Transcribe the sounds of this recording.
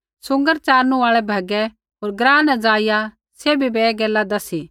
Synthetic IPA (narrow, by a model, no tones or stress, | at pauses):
sʊ̃ŋɡəɾt͡ʃaːɾnũaːɭɛbʱɐɡɛ | ɦoːɾɡɾãːnɛd͡zaːɪja | seːbʱibeːɡɛːlad̪ɐsi